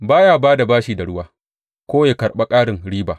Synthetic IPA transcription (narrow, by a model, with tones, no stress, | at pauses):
baː˦jaː˦˨baː˦da˨baː˦ʃiː˨da˨ɽʊ˦waː˦ | kʷoː˦ja˨kɐ˨ɽɓa˦kʼaː˦ɽɪ˨ŋɽiː˦baː˨